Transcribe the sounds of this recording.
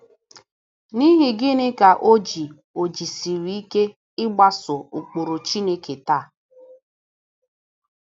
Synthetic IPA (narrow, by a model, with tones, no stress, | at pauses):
ni˦ɦɪ˨ɡɪ˦nɪ˦ka˨ʔo˦d͡ʒi˨ | o˨d͡ʒi˨si˨ɾi˨i˦ke˦ | ɪ˦ɡ͡ba˦sʊ˨u˨k͡po˨ɾo˨t͡ʃi˦ne˦ke˨ta˦˨